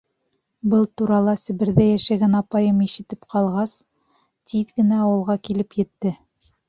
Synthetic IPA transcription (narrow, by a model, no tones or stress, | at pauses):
bɤlˠt̪uɾɑlˠɑsɘ̆βɘ̆ɾðæjæʃæɡænɑpɑjɤmiʃɘ̆t̪ɘpqʰɑlˠʁɑs | t̪iðɡɘ̆næɑwɤ̆lˠʁɑkilɘpjɘ̆t̪ːɘ